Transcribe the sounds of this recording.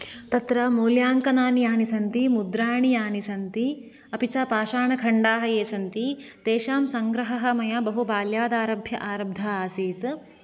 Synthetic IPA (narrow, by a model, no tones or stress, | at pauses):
t̪ɐt̪ɾɐmuːljaːŋkɐnaːnijaːnisɐnt̪imud̪ɾaːɳijaːnisɐnt̪i | ɐpit͡ʃaːpaːʃaːɳɐkʰɐɳɖaːɦɐjeːsɐnt̪it̪eːʃaːmsɐŋɡɾɐɦɐɦɐmɐjɐbɐɦubaːljaːd̪aːɾɐbʱjɐ̰ʔaːɾɐb̚d̪ʱɐaːsiːt̪